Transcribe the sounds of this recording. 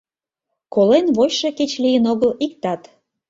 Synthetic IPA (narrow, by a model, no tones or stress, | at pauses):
kolenβojʃeket͡ɕlijənoɣəlik̚t̪ɑt̪